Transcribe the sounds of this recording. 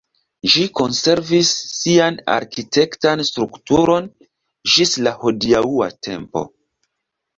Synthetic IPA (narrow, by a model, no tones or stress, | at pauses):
ʒiko̞nse̞ɾvisːiana̰ɾkite̞ktanstɾuktuɾo̞n | d͡ʒislaho̞diaua̰tʰe̞̰mpo̞̰